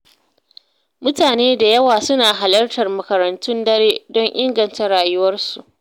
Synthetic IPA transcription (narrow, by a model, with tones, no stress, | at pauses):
mʊ˦taː˨neː˦da˨jɐ˦waː˨sʊ˦naː˨ɦa˨lɐ˦rtɐ˨rmɐ˨kɐ˨ɾɐ˨ntʊ˦ndɐ˦ɾeː˦dɔ˦ɲʔɪ˦ŋɡɐ˨nta˦ɽaː˨jʊ˦wɐ˦rsu˨ʔ